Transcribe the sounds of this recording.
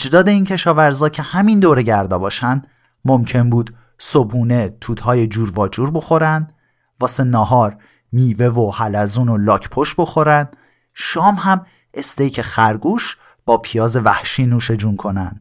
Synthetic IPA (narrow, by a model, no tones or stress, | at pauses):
ed͡ʒd̪ɒːd̪e̞iːncʰe̞ʃɒːvæɾzɒːcʰe̞hæmind̪oːɾe̞ɟæɾd̪ɒːbɒːʃænd̪ | mo̞mcʰe̞nbuːd̪̥ | so̞buːne̞t̪ʰuːt̪hɒːje̞d͡ʒuːɾvɒːd͡ʒuːɾbo̞xo̞ɾænd̪ | vɒːse̞nɒːɦɒːɾ | miːve̞vohælæzuːno̞lɒːcʰpʰoʃbo̞xo̞ɾænd̪̥ | ʃɒːmhæm | e̞st̪e̞jcʰe̞xæɾɡuːʃ | b̥ɒːpʰijɒːze̞væhʃiːnuːʃe̞d͡ʒunkʰo̞næ̰nd̪̥